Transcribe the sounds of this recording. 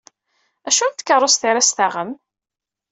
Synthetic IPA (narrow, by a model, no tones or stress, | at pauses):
æʃunt̪kːəɾˤːosθiɾæsθaʁəm